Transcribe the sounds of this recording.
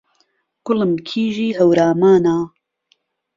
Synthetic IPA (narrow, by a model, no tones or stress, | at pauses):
ɡ̥ʊlɨmkʰiːʒiːɦɐwɾaːmaːnaː